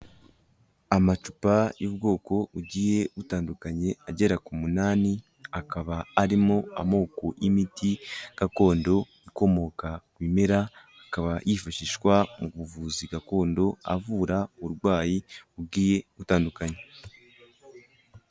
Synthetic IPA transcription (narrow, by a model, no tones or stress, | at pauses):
amat͡ʃupajub̚ɡo̞ːko̞uɡiːje̞βutaːndukaɲe̞aɟe̞ɾakumunaːni | akaβaːɾimo̞a̰mo̞ːkoʔimitiɡ̥ako̞ːndo̞ | iko̞mo̞kakwiːme̞ɾahakaβajifaʃiʃkwamuβuvuːziɡako̞ːndo̞a̰vuːɾauuɾɡwaːjiub̚ɡiːje̞βutaːndukaɲe̞